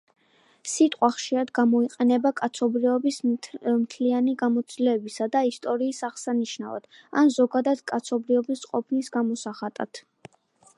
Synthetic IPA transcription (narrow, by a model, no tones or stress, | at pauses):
sit̪ʼqʼwaχʃiɾad̪ɡamɔiqʼɛnɛbakʼat̪sʰɔbɾivɔbismt̪ʰlianiɡamɔt̪sʰʼilɛːbisad̪aist̪ʼɔɾiːsaʁsaniʃnava̰d̪̥a̰nzɔɡad̪ad̪̥kʼat̪sʰɔbɾivɔbisqʼɔpʰnisɡamɔsaχat̪ʼa̰t̪ʰ